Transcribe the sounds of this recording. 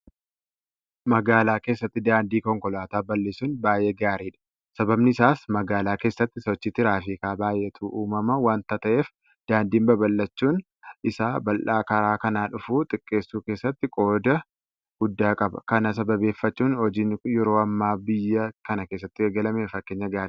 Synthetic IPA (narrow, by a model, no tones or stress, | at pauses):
mɐɡaːlaːke̞ːsːɐt̪ːɪd̪aːnd̪iːkɔŋkɔlaːt̪aːbɐlːeːsuːnbaːjʔeːɡaːɾiːᶑɐ̥ | sɐbɐbnɪɪsaːsmɐɡaːlaːke̞ːsːɐt̪ːɪsɔt͡ʃːɪt̪ːɪɾaːfɪkaːbaːjʔet̪ʰuːʔuːmɐmɐwaːnt̪ɐt̪ɐʔe̞ːf | d̪̥aːnd̪iːnbɐbɐlːɐt͡ʃːuːn | ɪsaːbɐlʔaːkɐɾaːkɐnaːᶑʊfuːt̪ʼɪkʼːe̞ːsːuːke̞ːsːɐt̪ːɪkʼo̞ːd̪ɐ | ɡ̥ʊd̪ːaːkʼɐbɐ̰kɐnɐs̬ɐbɐbe̞ːfːɐt͡ʃːuːnhɔd͡ʒɪːnjɛɾo̞ːɐmːaːbɪjːɐkɐnɐkeːsːɐt̪ːɪeːɡɐlɐmeːfɐkːeːɲːɐɡaːɾiː